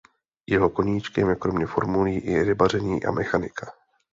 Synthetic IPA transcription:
jɛɦo̞ko̞ɲiːt͡ʃkɛmjɛkɾo̞mɲɛfo̞̰ɾmuliːʔɪɾɪbarɛɲiːʔa̰mɛxanɪ̰kʰḁ

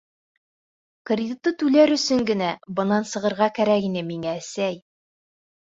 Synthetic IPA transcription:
krʲd̪ʲit̪ːɤt̪ʉlæɾɵ̆sɵŋɡɘ̆næbɤ̆nɑnsɤ̆ʁɤ̆ɾʁɑkæɾækinɘmiŋæːsæj

